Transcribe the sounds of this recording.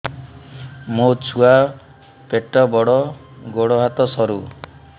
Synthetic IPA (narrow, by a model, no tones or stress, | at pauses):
mot͡sʰua | peʈːɔbɔɽɔ | ɡoɽɔɦat̪ɔsɔɾu